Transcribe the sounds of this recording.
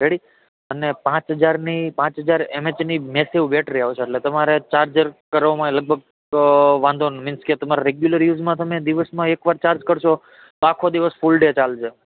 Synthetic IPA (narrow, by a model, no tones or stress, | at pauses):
ɾeɽi | ənepãt͡ʃɦəd͡ʒaɾnipãt͡ʃɦəd͡ʒaɾemet͡ʃnimesiʋbeʈʰɾiaʋt͡ʃʰeːʈlet̪əmaɾet͡ʃaɾd͡ʒəɾkəɾʋomãləɡ̚bʱəɡ | ʋãnd̪ʱonmɪnsket̪əmaɾaɾeɡjuləɾjuzmãt̪əmed̪iʋəsmãekʋaɾt͡ʃaɾd͡ʒkəɾʃʰo | t̪oakʰod̪iʋəsfulɖet͡ʃald͡ʒʰe